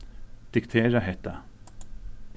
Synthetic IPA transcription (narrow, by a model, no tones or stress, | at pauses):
d̪̥ɪkt̪ʰeːɾaɦɛt̪ːa